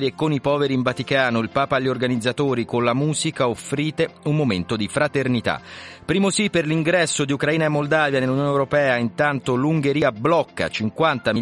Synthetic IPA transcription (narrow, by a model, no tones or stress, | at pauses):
liekːonipɔːveɾiːɱvat̪ikaːnoilpaːpaːʎːiorɡanid̪zːat̪oːɾikonlamuːzikaofɾiːt̪eumːoment̪od̪ifɾat̪ernit̪a̰pːɾiːmosipːerliŋɡɾɛsːod̪iukɾaiːnaemːold̪aːvjanelːunjoːneɛwɾopɛːaint̪ant̪oluŋɡeɾiːablɔkːa̰t͡ʃiŋkwant̪a